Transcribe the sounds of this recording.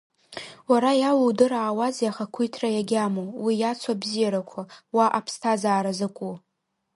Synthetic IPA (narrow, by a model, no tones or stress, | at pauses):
waɾajawuwdɨɾaːwazijaχakʷʰujtʰrajaɡʲamowijat͡sʷʰabzijaɾakʷʰawaʔapʰstʰazaːɾazakʷʼu